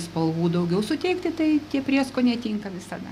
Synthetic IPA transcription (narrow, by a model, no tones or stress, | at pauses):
spɐlˠʋuːd̪ɐʊɡʲɛʊsʊt̪ʲɛɪkt̪ʲɪt̪ɐɪt̪ʲiɛpʲrʲiɛskoːnʲɛt̪ʲiːŋkɐʋʲɪsɐd̪ɐ